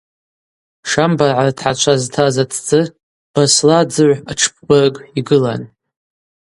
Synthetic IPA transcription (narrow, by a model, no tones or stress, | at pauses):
ʂambarʕaratʰħat͡ʃʷʰaztʰazat͡sʰt͡sʼɨ | b̥aslad͡zɨʕʷaʈ͡ʂʰp̚ʰbɨrkʼiɡɨlan